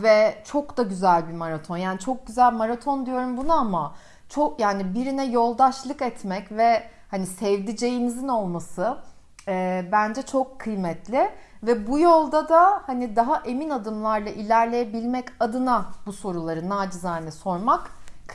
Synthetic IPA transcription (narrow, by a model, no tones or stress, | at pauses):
vɛt͡ʃʰo̞kd̪aɟyzælʲbimaɾat̪ʰo̞njaːnit͡ʃʰo̞k̚ɟyzælʲmaɾat̪ʰo̞nd̪ijo̞ɾumbunaama | t͡ʃʰokjaːnibiɾinɛjo̞lˠd̪aʃlˠɯkɛt̪mɛcvɛhanisɛvd̪id͡ʒe̞jimizino̞lˠmasɯ | bænd͡ʒɛt͡ʃʰo̞kʰːɯjmɛt̪lʲɪvɛbujo̞lˠd̪ad̪ahanid̪aɦaʔe̞minad̪ɯmlˠaɾlˠaʔilʲæɾlʲe̞jebilʲmɛcad̪ɯnabuso̞ɾulˠaɾɯnaːd͡ʒɯzaːnɛso̞ɾmak